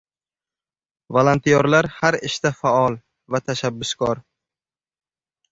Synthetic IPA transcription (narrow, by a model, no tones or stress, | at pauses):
valˠant̪ʰijɒɾlaɾhaɾɪʃt̪afaɒlˠ | vat̪ʰaʃabːʊskʰɒɾ